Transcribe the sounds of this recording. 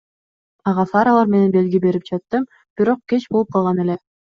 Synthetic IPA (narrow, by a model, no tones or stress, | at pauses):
ɑʁɑfɑɾɑlˠɑɾme̞ne̞nbe̞lɡibe̞ɾip̚d͡ʒɑt̪ːɯm | b̥iɾo̞q̚ket͡ʃbolˠup̚qʰɑlˠʁɑne̞le